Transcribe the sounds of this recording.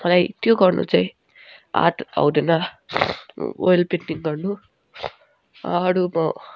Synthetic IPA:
mʌlajt̪joɡʌrnṵt͡saĩ | a̰ʈa̰wd̪enʌ | o̰jlpenʈiŋɡʌrnu | ʌɽumʌ

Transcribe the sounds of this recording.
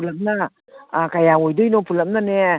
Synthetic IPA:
ulɐm̚nɐ | kajaojdɯjnopʰulɐmnane

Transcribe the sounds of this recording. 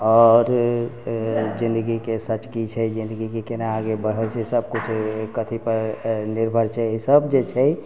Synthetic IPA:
ɔɾ | d͡ʒĩnd̪əɡikesət͡ʃkit͡ʃʰɛd͡ʒĩnd̪əɡikekenaaɡebəɽ̤əlt͡ʃʰɛsəb̚kut͡ʃʰkət̪ʰipəɾniɾbʱəɾt͡ʃʰɛisəbd͡ʒet͡ʃʰɛ

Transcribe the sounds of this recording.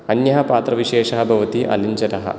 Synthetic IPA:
ɐnjɐɦɐpaːt̪ɾɐʋiʃeːʃɐɦɐbʱɐʋɐt̪iʔɐ̰liɲt͡ʃɐt̪ɐɦɐ̰̆

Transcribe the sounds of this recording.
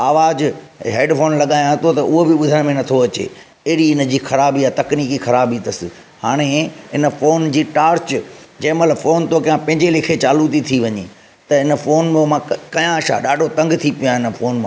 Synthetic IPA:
aːʋaːd͡ʑɦeːɖfoːnlɐɠaːjãɦɐt̪ot̪ɐʔʊɦobɪɓʊd̪ʱəɽ̃mẽnɐt̪ʰoɐt͡ɕḛː | ɐɦɪɽiɪn̆d͡ʑiːxɐɾaːbijat̪ɐkniːkixɐɾaːbit̪ɐsɪ̆ | haːɽ̃eɪnə̆foːnd͡ʑiːʈaːɾt͡ɕd͡ʑɐ̃ːmɐt̪ləbfoːnt̪okɐjãpɐ̃ɦɪ̃ɲd͡ʑelɪkʰet͡ɕaːlut̪it̪ʰiʋɐɲḛː | t̪ɐɪnə̆foːnmẽmãkɐjãʃa̰ɗaːɖʱot̪ɐ̃ŋɡt̪ʰipijãɦɪnəfʰoːnmãː

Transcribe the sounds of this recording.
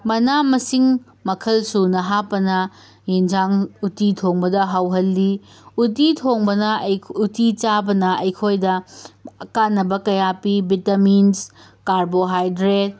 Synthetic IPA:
mɐnamɐsiŋ | mɐkʰɐlsunɐɦapːɐnɐ | jind͡ʒaŋutitʰoŋbɐdɐɦawɦɐlːi | ut̬itʰoŋbɐnɐutit͡ʃabɐnɐʔɐjkʰojdɐ | kanːɐbɐkɐjapibitamins | kaɾboɦajdɾet̚

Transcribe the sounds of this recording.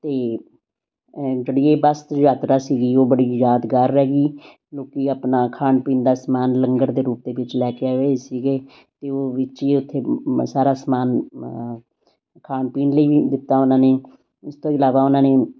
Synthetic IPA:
t̪eː | d͡ʒəɽieːbəst̪d͡ʒaːt̪ɾaːsiːɡiːoːbəɽiːjaːd̪ɡəɾːɛːɡiː | loːkiːaːpnaːkʰaːnpiːnd̪aːsmaːnləŋɡəɾd̪eːɾuːp̚d̪eːʋɪt͡ʃlɛːkɪaːɦoeːsiːɡeː | t̪eːoːʋɪt͡ʃiːʊt̪ʰːeːsaːɾaːsmaːn | kʰaːnpiːnləiːʋiːd̪ɪt̪ːaːʊnãːneː | ʊst̪õːɪlaːʋaːʊnãːneː

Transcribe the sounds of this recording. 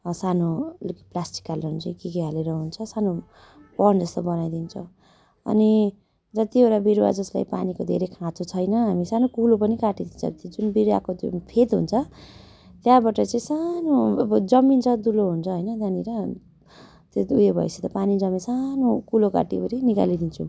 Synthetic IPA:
sanolkiplasʈi̥kalʌnt͡saĩkikeɦaleɾʌɦunt͡sʰʌsano | pʌnd͡zʌst̪obʌnajd̪int͡sʰʌ | ʌ̰ni | d͡zʌt̪ioɾabiɾwa̰d͡zʌsla̰jpa̰nikod̪ʱḛɾekʰãt̪ʰut͡sʰʌjnʌɦamisanokulopʌnikaʈid̪int͡sʰʌ̰t̪d͡zunbiɾwa̰kopʰet̪ɦṵnt͡sʰʌ | t̪jãbaʈʌt͡saĩsanobʌd͡zʌmint͡sʰʌd̪uloɦunt͡sʰʌɦʌjnʌd͡z̪aniɾʌ | t̪oujebʱʌ̰jset̪ʌpanid͡zʌminsanokuloka̰ʈibʌɾinika̰lid̪int͡sʰũ

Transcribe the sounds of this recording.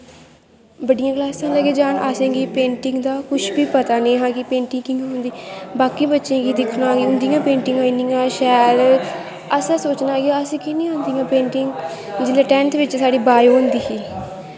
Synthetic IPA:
bəɖijãːklaːsãːləɡeːd͡ʒaːɳʔasẽːɡiːpẽːɳʈɪ̃ŋɡd̪aːkʊt͡ʃʰbiːpət̪aːnẽːɦãːkɪpẽːɳʈɪŋkɪ̃ŋɡɦʊ̃nd̪iːbaːkiːbətːʃẽːɡiːd̪ɪkʰnaːɡiːʊnd̪ijãːpẽːɳʈɪŋɡaːĩniːãːʃɛːɾ | əsɛ̃ːsoːt͡ʃnaːɡiːəsẽːkinĩːõːnd̪ijãːpẽːɳʈɪŋɡ | d͡ʒɪleʈɛ̃ːnt̪ʰʋɪt͡ʃsaːɽiːbaːjoːnd̪iːkiː

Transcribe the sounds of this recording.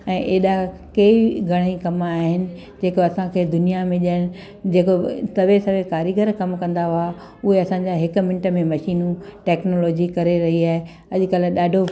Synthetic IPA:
ɛ̃ːʔeːɗakeːiɡʱɐɽ̃ikɐmaːɦɪnɪ̆ | d͡ʑeːkoɐsãkʰeːd̪ʊnijamẽʄəɽ̃ɪ̆ | d͡ʑeːkosɐʋesɐʋekaːɾjəɡəɾkɐmkɐ̃nd̪aɦʊa | ʊɦeɐsãɲd͡ʑaɦɪk̆mɪ̃ɳʈəmẽmɐʃiːnũʈɛːknoːlɔːd͡ʑikɐɾeɾɐɦiaːɦe | ɐʄkəlɗaːɖʱo

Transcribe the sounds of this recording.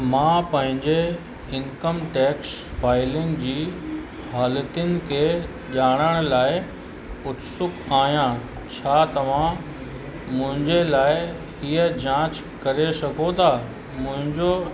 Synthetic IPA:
mãːpɐ̃ɦɪ̃ɲd͡ʑe | ɪnkəmʈɛːks | faːɪlɪ̃ŋɡd͡ʑiː | ɦaːlət̪ɪənɪ̆kʰeː | ʄaːɽ̃əɽ̃̆laːɪ | ʊt̪sʊkaːɦjãː | t͡ɕʰaːt̪ɐʋ̤ã | mʊ̃ɦɪ̃ɲd͡ʑelaːɪ | iːəd͡ʑãːt͡ɕ | kɐɾesɐkʰot̪ʰaː | mʊ̃ɦɪ̃ɲd͡ʑo

